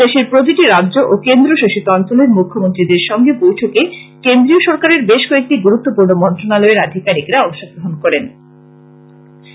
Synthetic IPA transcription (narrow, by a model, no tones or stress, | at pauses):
eʃiɾpɾot̪̬iʈiɾadːʑoʔokend̪ɾoʃoʃit̪oɔnt͡ɕoleɾmukʰːomont̪ɾid̪eɾʃɔŋɡepojʈʰokekend̪ɾioʃɔɾkaɾeɾbeʃkɔek̚ʈiɡuɾut̪ːopuɾnomɔnt̪ɾonalɔeɾad̪ʱikaɾikɾaɔŋʃoɡ̚ɡɾoɦonkɔɾen